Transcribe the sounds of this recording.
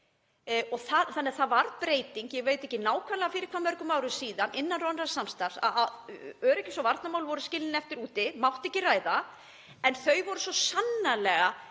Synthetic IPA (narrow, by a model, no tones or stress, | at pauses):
ɔθaθanːɛaθaðvaɾpɾeːjt̪iŋkjɛɣveːjt̪ɛhcːɪnaːwkʰanlɛɣafɪːɾɪɾ̥kʰvamœɾkʏmawɾʏsiːðanʔɪnːanrɔnrasamst̪aɾsa̰aœːɾɛhcːɪ̥sɔvaɾt̪namawlvɔɾʏscɪlɪnɛft̪ɪɾuːt̪ɪmawht̪ɛhcɪraːjða | ɛnθœɥjvɔɾʏsɔsanːalɛɣa